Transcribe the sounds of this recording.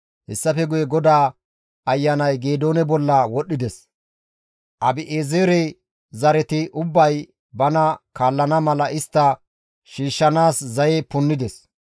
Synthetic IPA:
hɛsːɐfɛɡʊjɛɡɔd̪aː | ɐjːɐnɐjɡeːd̪o̞ːnɛbɔlːɐwɔɗːɪd̪ɛs | ʔɐbɪʔeːzeːɾɛ | zɐɾɛt̪ɪʔʊbːɐj | bɐnɐkaːlːɐnɐmɐlɐʔɪst̪ːɐ | ʃiːʃːɐnaːszɐjɛpʊnːɪd̪ɛs

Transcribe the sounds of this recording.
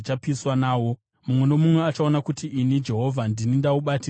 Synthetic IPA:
t͡ʃapiswanaːwo̞ | mumwe̞nomumwe̞at͡ʃaonakutiʔinid͡ʒe̞ɦo̞vʱandinindauɓati

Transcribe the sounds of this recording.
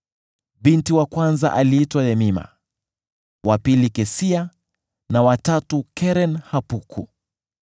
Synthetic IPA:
bintiwakwanza̰ʔaliitwajɛmima̰ | wʔapilikɛsia | nawatatukɛɾɛnhapukʰu

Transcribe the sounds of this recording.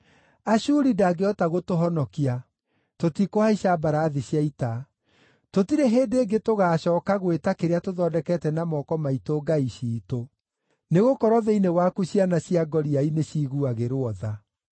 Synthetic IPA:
aɕuːɾidaɡeɔtaɣotoɦɔnɔkia | totikoaiɕabaɾaːðiɕjaita | totiɾeɦeːdeːɡetoɣaːɕɔːkaɣwetakeɾeatoðɔdɛkɛtɛnamɔkɔmaitoɡaiɕiːto | neɣokɔɾɔðɛinewakuɕjanaɕiaɡɔɾiaineɕiːɣuaɣeɾoɔða

